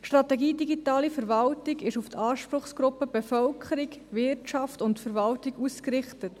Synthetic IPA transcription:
ʃtɾɑtɛɡiːdiɡitɑːlifəɾvɑltɪɡɪʃuftʰɑːʃpɾʊχsɡ̥ɾʊpːəb̥efœlkʰχəɾikvɪtɑftʊntfəɾvɑltiɡuːskɾɪχtət

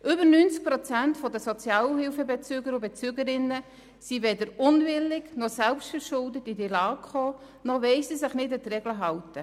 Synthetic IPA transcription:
ʔʏbəɾnynt͡sk̚pɾɔt͡sæntfɔdəsɔt͡sjɑːlhɪlfəbɛt͡syːɡəɾʊbet͡syɡəɾɪnːə | siʋɛdəɾʊnvɪlːɪɡnɔsælpstfəɾʃʊldətidilɑːkχoː | nɔʋɛɪsisɪχnɪdət̪rɛɡləɦɑwtə

